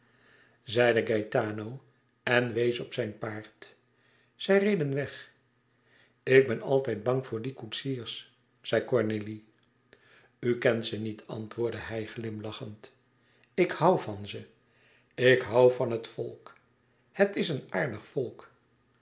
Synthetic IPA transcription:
zɛjdəɡajtaːnow | ɛnʋejsɔpsɛjnpaːɹt | z̥ɛjrejdənʋɛχ | ɪɡ̚bɛnɑ̰lˠtɛjd̚bɑŋvʊːɹdikutsiːɹs | z̥ɛjkɔɹneli | ykɛntsənitʰɑ̰ntʋʊːɹdəhɛjχlɪmlɑχənt | ɪkhawvɑnzə | ɪkɦɑwvɑnɦətfɔ̰lˠk | hətɪsənaːɹdəχfɔlˠk

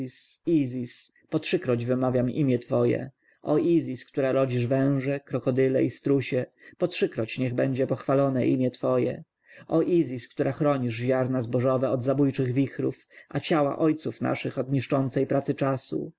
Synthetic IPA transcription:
sizʲis | pɔtʂɘkɾɔd͡ʑvɘmavʲjamḭmʲjɛt̪fɔjɛ̰ | ʔɔʔizʲiskt̪uɾaɾɔd͡ʑiʐvɛ̃w̃ʐɛkɾɔkɔd̪ɘlɛist̪ɾuɕɛpɔtʂɘkɾɔt͡ɕɲɛɣbɛɲd͡ʑɛpɔxfalɔnɛ̰ʔḭmʲjɛt̪fɔjɛ̰ | ʔɔʔizʲiskt̪uɾaxɾɔɲiʐʑaɾnazbɔʐɔvɛɔd̪zabujt͡ʂɘɣvʲixɾufʔat͡ɕawa̰ʔɔjt̪sufna̰ʂɘxɔd̪ɲiʂt͡ʂɔnt̪sɛjpɾat̪sɘt͡ʂasṵ

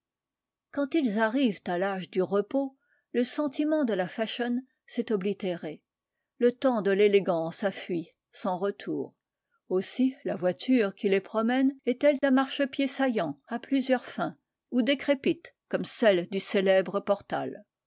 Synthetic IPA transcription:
kɑ̃t̪ilzaʁivt̪alaʒd̪yʁəpo | ləsɑ̃t̪imɑ̃d̪əlafaʃɔn | sɛt̪ɔblit̪eʁe | lət̪ɑ̃d̪əleleɡɑ̃safɥi | sɑ̃ʁət̪ʰuːʁ | osilavwat̪ʰyʁkʲilepχɔmɛnɛt̪ɛld̪ɛ̃maʁʃəpjesajɑ̃aplyzjœʁfɛ̃ | ud̪ekχepit̪kɔmsɛld̪yselɛbʁəpɔʁt̪a̰l

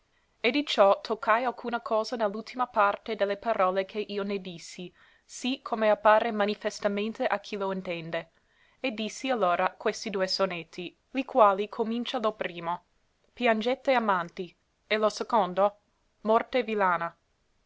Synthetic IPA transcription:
ed̪it͡ʃɔt̪ʰokʰːajalkʰuːnakʰɔːzanelːult̪ʰimapart̪ed̪elːepaɾɔːlekʰeʔiːoned̪isːi | sikʰomeapːaːɾemanifest̪amẽnt̪eʔakʰiloint̪ɛnd̪e | ed̪ːisːialːoːɾakwest̪id̪uːesonet̪ʰːi | likwaːlikʰomint͡ʃalopɾiːmo | pjand͡ʒet̪ːeamant̪i | elosekond̪o | mɔrt̪evilaːna

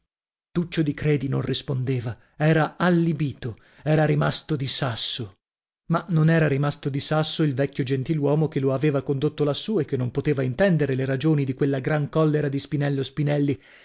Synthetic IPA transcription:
t̪ut͡ʃːod̪ikɾeːd̪inonrispond̪eːva | ɛːɾaalːibiːt̪o | ɛːɾaɾimast̪od̪isasːo | manonɛːɾaɾimast̪od̪isasːoilvɛkʲːjod͡ʒent̪ilwɔːmokeloaveːvakond̪ot̪ːolasːuːekːenːompot̪eːvaint̪ɛnd̪eɾeleɾad͡ʒoːnid̪ikwelːaɡɾaŋkɔlːeɾad̪ispinɛlːospinɛlːi

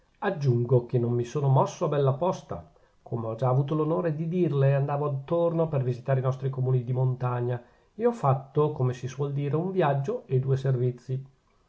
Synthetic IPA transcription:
ad͡ʒːuŋɡok̟enːomːisoːnomɔsːoabɛlːapɔst̪a̰ | kʰomeɔd͡ʒaːvuːt̪olonoːɾed̪id̪irleand̪aːvoat̪ːornopervizit̪aːɾeinɔst̪ɾikomuːnid̪imont̪aɲːa | eɔfːat̪ːokomesiswɔld̪iːɾeuɱvjad͡ʒːoed̪uːeservit̪sːi

